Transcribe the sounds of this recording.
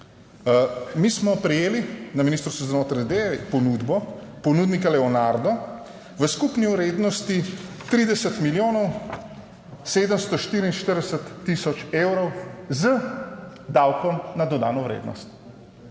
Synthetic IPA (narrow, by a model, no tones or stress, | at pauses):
mismɔpɾɛjeːlinaminist̪ɾst̪uzanoːt̪ɾad̪eʋɛpɔnud̪bɔpɔnuːd̪nikalɛɔnaɾd̪ɔ | ʋəskupniwɾeːd̪nɔst̪it̪ɾiːd̪ɛsət̪miljoːnɔw | seːd̪əmst̪ɔʃt̪iɾiinʃt̪əɾd̪ɛsət̪ːisɔt͡ʃeːwɾɔwzə | d̪awkɔmnad̪ɔd̪a̰ːnɔwɾḛːd̪nɔ̰st̪